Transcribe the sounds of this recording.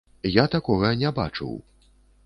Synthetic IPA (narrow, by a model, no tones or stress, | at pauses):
jat̪akɔɣɐnʲɛba̰t͡ʂɨ̰w